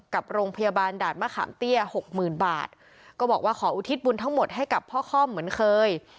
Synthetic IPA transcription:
ka˨˩p̚ɾoː˧ŋpʰa˧jaː˧baː˧ndaː˨˩t̪̚maː˥˩xʰa̰ː˩˦mt̪i˥˩əho˨˩k̚mɯː˨˩nba̰ː˨˩t̪̚ | kɔː˥˩bɔː˨˩k̚waː˥˩kʰɔː˩˦ʔuː˧˩t̪ʰi˦˥t̪̚bu˧nt̪ʰa˥˩ŋmo˨˩t̪̚ɦa˥˩jka˨˩pʰːɔː˥˩xʰɔː˥˩mːɯ˩˦ənkʰɤː˧j

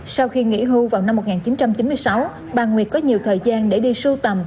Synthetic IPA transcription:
sa˧wxi˧ŋḭ˧˥ɦu˧vaː˨˩wna˧mːo˨˩t̚ŋaː˨˩nt͡ɕi˨˦nt͡ɕa˧mt͡ɕi˨˦nmɨ˧jsa˨˦w | ɓaː˨˩ŋwi˨˩ət̚kɔ˨˦ɲi˨˩əwt̪ʰəː˨˩jzaː˧nɗe˧˩ɗi˧su˧t̪ə˨˩m

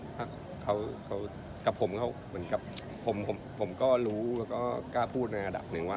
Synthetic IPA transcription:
hʰa˦˧˥ | kʰa˦˥wkʰa˦˥w | ka˨˩pʰo˩˦mkʰa˦˥˩wmɯ˩˦ənka˨˩p̚ | pʰo˨˩˦mpʰo˨˩˦mpʰo˩˦mkɔː˥˩ɾuː˦˥lɛː˧˩wkɔː˥˩kaː˥˩pʰuː˥˩t̪̚na˧ʔa˧da̰˨˩p̚nɯ˨˩˦ŋwaː˥˩

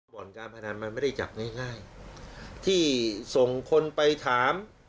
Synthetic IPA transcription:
bɔː˨˩˦nkaː˧npʰa˧na˧nma˧nma˥˩da˥˩jt͡ɕa̰˨˩p̚ŋaː˥˩jŋaː˥˩j | t̪ʰiː˥˩so˨˩ŋkʰo˧npa˧jt̪ʰaː˩˦m

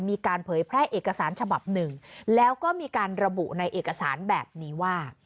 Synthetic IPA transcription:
miː˧kaː˧npʰɤː˩˦jpʰɾɛː˥˩ʔeː˨˩kːa˧saː˩˦nt͡ɕʰa˧ba˨˩p̚nɯ˨˩ŋlɛː˦˥wkɔː˥˩miː˧kaː˧nɾa˧bṵ˨˩na˧jʔeː˨˩kːa˧saː˩˦nbɛː˨˩p̚niː˦˥waː˥˩

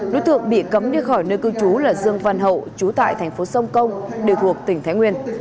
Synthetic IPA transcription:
no̰˧˥˦jt̪ɨ̰˧˨əŋɓḭ˧˨kə˨˦mɗi˧xɔ˧˩jnəː˧jkɨ˧wt͡ɕu˨˦laː˨˩zɨ˧˩əŋva˧nɦə̰˧˨wt͡ɕu˨˦t̪a̰ː˧˨jt̪ʰɛ˨˩jŋ̟fo˨˦sə˧wŋ͡mkə˧wŋ͡mɗe˨˩wt̪ʰu˨˩ək̚t̪ï˧˩ŋt̪ʰa˨˦jŋwi˧ən

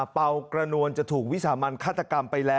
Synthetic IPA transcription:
pa˧wkɾa˧nu˧ənt͡ɕa˨˩t̪ʰuː˨˩k̚wi˦˥saː˩˦maː˧nkʰaː˥˩t̪ːa˧ka˧mpa˧jlɛː˦

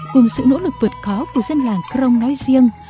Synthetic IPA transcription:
kʊ˨˩ŋ͡msɨ̰˧˨no̰˧˥lɨ˨˩k̚vɨ˨˩t̚kɔ˨˦ku˧˩əzə˧nlaː˨˩ŋkɾə˧wŋ͡mnɔ˨˦jzi˧əŋ

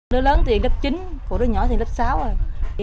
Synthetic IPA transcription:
nɨ˨˧˥ələː˨˦nt̪i˨˩ənləː˦˥p̚t͡ɕi˨˦nko̰˧˩ɾə˨˦ɲɔ̰˨˧˦t̪i˨˩nləː˦˥p̚saː˨˦wo˨˩j

